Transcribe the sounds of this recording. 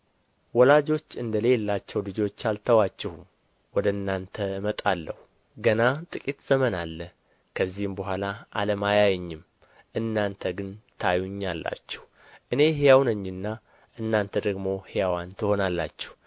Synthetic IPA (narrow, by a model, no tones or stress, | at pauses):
wɔlad͡ʒo̞t͡ʃːɨnd̪əle̞lːat͡ʃːɛwlɨd͡ʒo̞t͡ʃːalt̪ʰəwat͡ʃːɛhum | wɔd̪ənːant̪ʰəɨmət̪ʼalːəhu | ɡənat̪ʼɨkʼit̪z̥əmənalːə | kʰəzːihmbəɦʷalaʔa̰ləmajajɛɲːɪm | ʔɨnːant̪ʰəɡɨnt̪ʰajuɲːalːa̰t͡ʃːɛ̥hu | ʔɨne̞ɦejawnəɲːɪnːa | ʔɨnːant̪ʰəd̪əɡmo̞hejawant̪ʰɨho̞nalːa̰t͡ʃːɛ̥h